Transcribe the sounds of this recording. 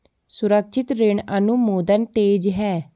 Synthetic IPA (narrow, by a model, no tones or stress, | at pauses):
sʊɾəkʃʰɪt̪ɾeɳənumoːd̪ənʈ̪eːd͡ʒɦɛː